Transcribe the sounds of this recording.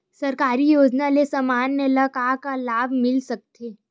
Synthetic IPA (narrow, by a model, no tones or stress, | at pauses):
sɐɾkaːɾijoːd͡ʒnalesɐmaːnːelɐkaːkalaːbʱmɪlsɐk̚t̪ʰeː